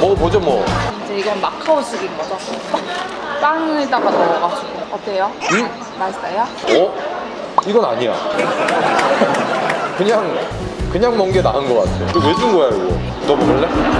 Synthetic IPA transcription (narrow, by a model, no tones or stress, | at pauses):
mʌpod͡ʑomwʌind͡ʑeiɡʌnmakʰaoɕ͈ʰiɡinɡʌd͡ʑoop͈ak̚ | p͈aŋit͈aɡanaʌɡasiɡoʌt͈eejomɯ | maɭs͈ajoʌ | iɡʌna̰ɲija̰ | kɯɲaŋkɯɲaŋmʌŋɡenaɦɯnɡʌk͈a̰tʰejo̰dowed͡ʑuŋɡʌjaiɡo̰ | nʌbuɡɯɭːe